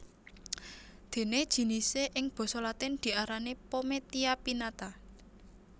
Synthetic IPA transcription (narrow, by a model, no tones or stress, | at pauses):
d̪̥e̤ned̥ʒ̥i̤niseʔɪŋb̥ɔ̤solat̪ɪnd̪̥i̤aɾanepomet̪iapinat̪a